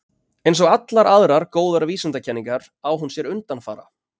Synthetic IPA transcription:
ɛjnsɔɣat̪laɾʔaðɾaɾkoːwðaɾaviːsʏnt̪acʰɛnːiŋkaɾ̥ | awɦunsjɛɾʏnt̪anfa̰ːɾa̰

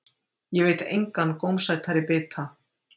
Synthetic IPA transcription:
jɛveːjt̪ejŋkanːkoːwmsajt̪ʰaɾɪpɪːt̪ʰa

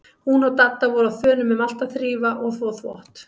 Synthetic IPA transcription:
hunɔɣt̪at̪ːavɔɾʏawθœːnʏmʏmal̥t̪aθɾiːvaʔɔɣθvɔθvɔ̰ht̪

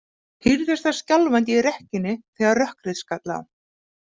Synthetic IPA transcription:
hiɾðɛst̪ascalvajnt̪ɪiɾɛhcɪnːɪθɛːɣaɾrœhkɾɪðskat̪la̰w

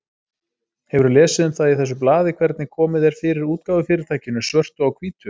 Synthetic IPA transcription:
hɛvʏɾʏlɛːsɪðʏmθaðiθɛs̬ːʏplaːðɪkʰvɛɾt̪nɪkʰɔːmɪðɛɾ̥fɪːɾɪɾuːt̪kaːwvʏfɪːɾɪɾ̥t̪ʰaːjcɪnʏsvœr̥t̪ʏawkʰviːt̪ʏ

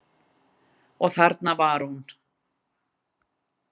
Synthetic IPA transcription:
ɔɣθaɾt̪navaɾhun

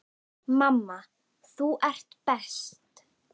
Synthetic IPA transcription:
mamːa | θuʔɛr̥t̪pɛst̪

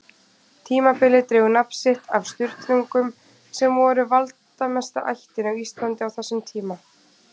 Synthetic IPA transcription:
t̪ʰiːmapɪlɪt̪ɾɪːɣʏnapsɪht̪a̰vst̪ʏɾt̪niŋkʏm | sɛmvɔɾʏvalt̪amɛst̪a̰ʔa̰jht̪ɪnawist̪lant̪ɪawθɛsːʏmt̪ʰiːma

